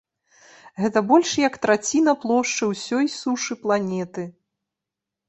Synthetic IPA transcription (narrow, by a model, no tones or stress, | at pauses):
ɣɛt̪ɐbɔlʲʂjɐkt̪ɾat͡sʲinɐplˠɔʂt͡ʂɨwsʲɔjsuʂɨplˠanʲɛt̪ɨ